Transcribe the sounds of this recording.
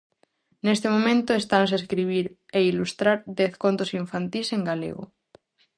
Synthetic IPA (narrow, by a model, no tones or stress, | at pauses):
nest̪emomẽnt̪oest̪anseskɾiβ̞iɾ | eilust̪ɾaɾd̪eθkont̪osiɱfant̪iseŋɡalḛɣo̰